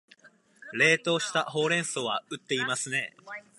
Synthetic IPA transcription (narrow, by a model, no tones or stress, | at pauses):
ɾe̞ːt̪o̞ːɕi̥t̪aho̞ːɾẽ̞ɰ̃soːβaɯ̟t̪ːe̞imasɨne̞